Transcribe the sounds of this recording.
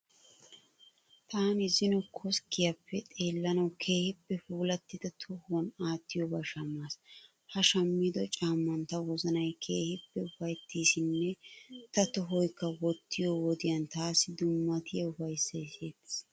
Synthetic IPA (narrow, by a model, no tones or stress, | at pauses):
t̪ʰaːnɪzɪnɔkʰɔskːɪjɐpːɛt̪ʼe̞ːlːɐnɐwkʰe̞ːhɪpːɛfuːlɐt̪ːɪd̪ɐt̪ʰɔhwɐnaːt̪ːɪjɔbɐʃɐmːaːs | hɐʃɐmːid̪ɔt͡ʃʼaːmːɐnt̪ɐwɔzɐnɐjkʰeːhɪpːɛʊfɐjt̪ːiːsɪnːɛt̪ɐt̪ɔɦɔjkːɐwɔt̪ːɪjɔwɔd̪ɪjɐnt̪aːsːɪd̪ʊmːɐt̪ʰɪjɐʊfɐjsːɐjseːt̪ːɪ̥